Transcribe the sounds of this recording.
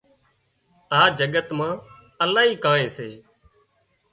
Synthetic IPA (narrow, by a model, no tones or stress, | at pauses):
aːd͡ʒəɠət̪mãː | əlaːɦiːkãːẽːseː